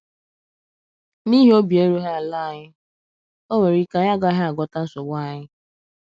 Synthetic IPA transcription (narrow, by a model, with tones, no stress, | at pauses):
ni˦ɦi˦o˦bi˨e˦ɾu˦ɦa˦a˨la˦˨ɲɪ˦ | o˦we˨ɾi˦ka˦ja˦ɡɔ˦a˦ɦa˦a˨ɡʷɔ˦ta˦n̩˦so˨ɡ͡bʷa˦˨ɲɪ˦